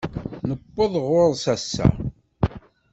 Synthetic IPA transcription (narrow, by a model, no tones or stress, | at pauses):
nəpːəðˤʁoɾˤsæsːæ̰